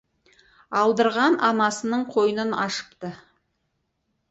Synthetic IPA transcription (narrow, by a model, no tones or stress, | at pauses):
ɑlˠd̪əɾʁɑnʔɑnɑsənəɴqʰo̞jənənɑʃə̥pt̪ə